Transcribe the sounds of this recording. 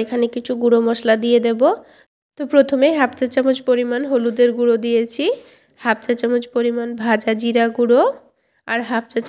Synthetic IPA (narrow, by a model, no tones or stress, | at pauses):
ekʰanekit͡ɕʰuɡuɽomɔʃlad̪ijed̪ebo | t̪opɾot̪ʰomeɦapt͡ɕat͡ɕamod͡ʑpoɾimanɦolud̪eɾɡuɽod̪ijet͡ɕʰi | hap̚t͡ɕat͡ɕamod͡ʑpoɾimanbʱad͡ʑad͡ʑiɾaɡuɽo | aɾɦap̚t͡ɕat͡ɕ